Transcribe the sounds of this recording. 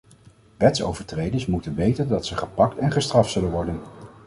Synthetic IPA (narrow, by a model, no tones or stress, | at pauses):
ʋɛtso̰wvəɹtrejdəɹsmutənʋejtəndɑtsəχəpɑktɛnχəstrɑftsɵlənʋɔɹdən